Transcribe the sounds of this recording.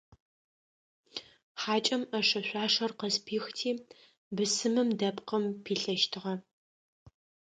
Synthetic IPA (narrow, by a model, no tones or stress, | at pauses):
ħaːt͡ʃʼɐmɐʂɐɕʷaːʂɐrqəzpʰiːxtʰiː | bɨsɨmɨmdɐpqəmpʰiːɬɐʃtʰɨʁɐ